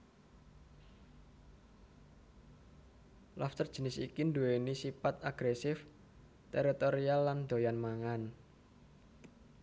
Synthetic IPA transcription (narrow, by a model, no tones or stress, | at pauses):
lɔft̪ərd̥ʒ̥ə̤nɪsḭkind̪uwenisifat̪̚aɡ̥ɾesɪf | t̪eɾit̪oɾialːand̪̥o̤janmaŋan